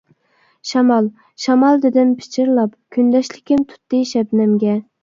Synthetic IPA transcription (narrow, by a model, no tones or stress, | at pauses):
ʃɑmɑlˠ | ʃɑmɑlˠd̪ɪd̪ɪmpʰɪ̥t͡ʃʰɪɾlˠɑpkʲʰynd̪ɛʃlɪkʲɪmt̪ʰu̥t̪ːɨʃɛbnɪmɡʲɛ